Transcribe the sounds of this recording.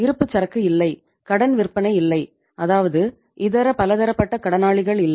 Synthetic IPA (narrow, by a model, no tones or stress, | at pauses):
ɪɾɯpːɯt͡ʃːɐɾɐkːɯɪlːɐɪ | kɐɽɐnʋɪrpɐnɐɪɪlːɐɪ | ɐðaːʋɐðɯ | ʔɪðɐɾɐpɐlɐðɐɾɐpːɐʈːɐkɐɽɐnaːɭɪɣɐɭɪlːɐ